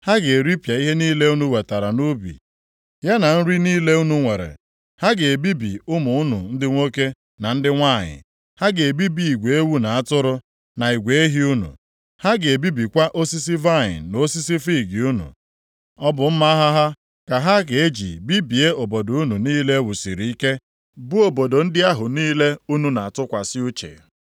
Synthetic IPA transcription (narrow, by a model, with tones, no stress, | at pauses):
ha˦ɡe˨ɾi˦pja˨i˦ɦe˦niː˦le˦u˦nu˦we˨ta˨ɾa˨nu˦bḭ˨ | ja˦na˨n̩˦ɾi˦niː˦le˦u˦nu˨ŋʷe˨ɾḛ˨ | ha˦ɡe˨e˨bi˦bḭ˨ʊ˦mʊ˨ʊ˦nṵ˨n̩˦dɪ˦ŋʷo˦ke˦ | na˨n̩˦dɪ˦ŋʷa˦˨ɲɪ̰˨ | ha˦ɡe˨e˨bi˦bi˨i˨ɡʷe˨e˦wu˦na˨a˦tʊ˦ɾʊ˦ | na˨i˨ɡʷe˨e˦ɦi˦u˦nṵ˨ | ha˦ɡe˨e˨bi˦bi˨kʷa˦ʔo˦si˦si˦va˦˨ɲɪ̰˨no˦si˦si˦fi˦˨ɡi˨u˦nṵ˨ | ɔ˦bʊ˨m̩˦ma˦ɦa˦ɦa˦ | ka˨ɦa˦ɡe˨e˦d͡ʒḭ˨bi˦bi˨e˦o˨bo˨do˨u˦nu˨niː˦le˦wu˨sḭ˨ɾi˨i˦ke˦ | bʊ˦o˨bo˨do˨n̩˦dɪ˦a˦ɦʊ˨niː˦le˦u˦nu˦na˨a˨tʊ˦kʷa˨sɪ˦u˦t͡ʃḛ˨